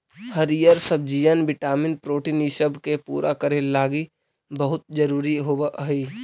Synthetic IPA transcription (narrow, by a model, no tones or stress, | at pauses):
həɾijəɾsəb̚d͡ʒijənʋɪʈaːmɪnpɾoːʈiːniʃəbʱkepṵːɾʔakəɾelaːɡi | bəɦʊt̪̚d͡ʒəɾuːɾiɦoːbʔɦiː